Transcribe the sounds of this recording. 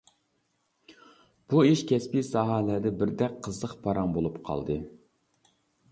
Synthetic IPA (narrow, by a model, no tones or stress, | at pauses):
b̥uiʃkʲʰɛspisɑɦɑlæd̪ɛbɪɾd̪ɛk̚ʲqʰːəzlˠəqpʰɑɾɑŋbolˠupqʰɑ̰lˠd̪ɨ